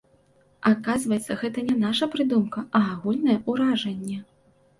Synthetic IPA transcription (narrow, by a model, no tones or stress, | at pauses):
akazvɐjɛt̪sːɐɣɛt̪ɐnʲɛnaʂɐpɾɨd̪umkɐɐːɣulʲnɐjɛʔuɾaʐɐnʲːɛ